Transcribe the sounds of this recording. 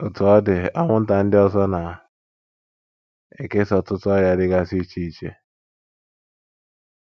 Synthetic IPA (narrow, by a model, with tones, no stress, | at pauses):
ʊ˨tʊ˨ɔ˦dɪ˨a˦ŋʷʊ˦n̩˦ta˨n̩˦dɪ˦ɔ˦zɔ˦na˨ | ḛ˨ke˦sɔ˨tʊ˦tʊ˦ɔ˦ɾja˦dɪ˦ɡa˦si˦t͡ʃi˦i˨t͡ʃe˦